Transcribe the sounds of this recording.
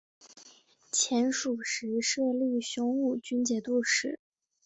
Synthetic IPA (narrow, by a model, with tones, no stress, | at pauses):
t͡ɕʰjɛ˧˥nʂu˨˩ʂɻ̩˧˥ʂɤ˥˧li˥˩ɕʊ˥ŋu˥˩t͡ɕy˥nt͡ɕjɛ˨˩t̪u˥˩ʂɻ̩˨˩˦